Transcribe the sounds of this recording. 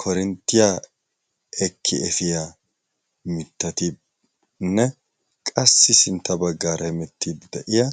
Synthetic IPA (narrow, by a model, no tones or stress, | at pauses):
kʰɔɾɛnt̪ːɪja | ɛkʰːɪɛfɪja | mɪt̪ːɐt̪ɪ | nːɛ | kʼɐsːɪsɪnt̪ːɐbɐɡːaːɾʔɛmɛt̪ʰːiːd̪d̪ɛʔɪjɐ